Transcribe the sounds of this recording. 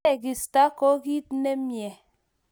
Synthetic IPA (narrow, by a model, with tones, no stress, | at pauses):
e˦˨ki˨sta˦ko˦ki˦tne˦mjɛ˨